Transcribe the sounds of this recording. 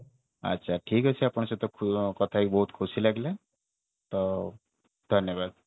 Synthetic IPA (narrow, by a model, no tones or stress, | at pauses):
ə̰tːʃʰaʈʰikɦʌt͡ʃʰiapɽ̃set̪ɔkʰkɔt̪ʰaikbɔɦut̪kʰusilaɡle | t̪ɔ | d̪ʱənjəbad̪̚